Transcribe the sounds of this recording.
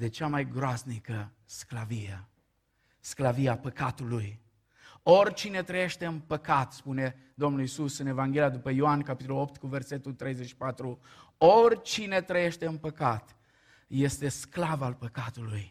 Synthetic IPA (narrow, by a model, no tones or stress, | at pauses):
d̪e̞t͡ʃamajɡɾoasnikə | sklavije | sklaviapəkat̪uluj | o̞rʲt͡ʃine̞t̪ɾəje̞ʃt̪e̞ɨnpəkat̪spune̞ | d̪o̞mnulisusɨne̞vaŋɡʲe̞lijad̪upəjoankapit̪olo̞pt̪kuve̞rse̞t̪ult̪ɾe̞jzeʃi̥pat̪ɾuo̞rʲt͡ʃine̞t̪ɾəje̞ʃt̪e̞ɨnpəkat̪ | je̞st̪e̞sklavalpəkat̪uluj